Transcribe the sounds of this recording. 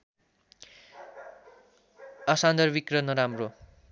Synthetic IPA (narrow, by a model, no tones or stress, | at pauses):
ʌsand̪ʌrbikrʌnʌɾamro